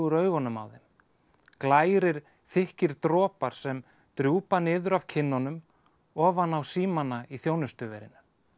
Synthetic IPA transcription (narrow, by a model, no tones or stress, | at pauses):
ʏɾœːɥɣɔnʏma̰wðɛm | klaːjɾɪɾ̥ | θɪhcɪɾ̥t̪ɾɔːpaɾ̥sɛm | t̪ɾjuːpanɪːðʏɾav̥cʰɪnːɔnʏm | ɔːvanawsiːmanaiθjoːwnʏst̪ʏvɛ̰ɾɪ̰nʏ̥